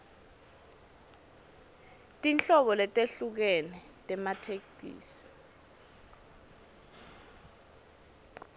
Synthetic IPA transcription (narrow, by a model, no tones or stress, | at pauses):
tʼint͡ɬʼɔɓɔlɛtʼeɬuk̬ɛnɛ | tʼɛmatʰekdḭːsi̥